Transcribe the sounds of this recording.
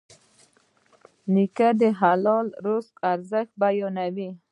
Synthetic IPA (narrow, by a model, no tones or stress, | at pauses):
nikad̪əɦalɔlɾʊskaɾzəxt̪̚bajɔnawi